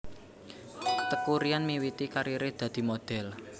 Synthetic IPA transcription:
t̪əkuɾianmiwit̪ikaɾiɾed̪̥ä̤d̪̥i̤mod̪̥ɛ̤l

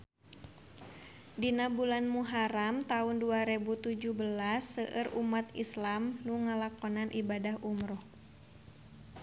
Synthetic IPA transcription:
dinabulanmuɦaɾamt̪aʊnduaɾɛbut̪ud͡ʒuhbəlasːəʔərʔumat̪islamnuŋalakɔnanʔibadahʔumɾʊh

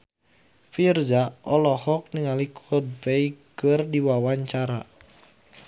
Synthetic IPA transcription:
firzaʔɔlɔhɔk̚niŋalikʰɔd̚beikərdiwawaɲt͡ʃaɾa

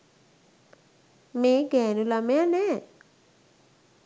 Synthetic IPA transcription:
meːɡɛːnulamejanɛː

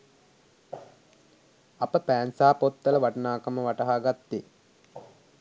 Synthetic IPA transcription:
ɐpəpæːnsaːpot̪ːɐləʋaʈɐnaːkəməʋaʈɐɦaːɡat̪ːe

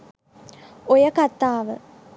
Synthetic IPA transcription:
ojəkat̪aːʋə

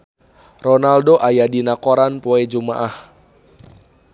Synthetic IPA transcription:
rɔnaldoʔajadinakoɾanpoed͡ʒumaʔah

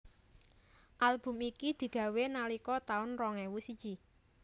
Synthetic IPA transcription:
ʔalb̥ʊ̤mikid̪̥i̤ɡ̥ä̤wenalikɔt̪aʊnrɔŋɛwusid̥d͡ʒ̥i

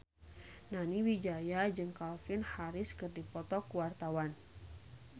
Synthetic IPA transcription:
naniwid͡ʒajad͡ʒɨŋkalfɪnhaɾɪskɨrdipɔt̪ɔkuwart̪awan

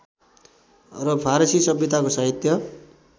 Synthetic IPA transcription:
rʌpʰaɾʌsisʌbjʌt̪akosʌɦit̪jʌ

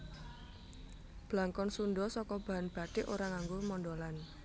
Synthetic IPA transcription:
b̥laŋkɔnsunɖɔsɔkɔb̥a̤anb̥a̤d̪̥e̤ʔoɾaŋaŋɡomɔndolan

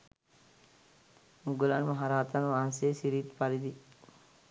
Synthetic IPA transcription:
uɡulanmaɦaɾaːt̪ɐnʋaːnseːsiɾiːt̪palid̪i

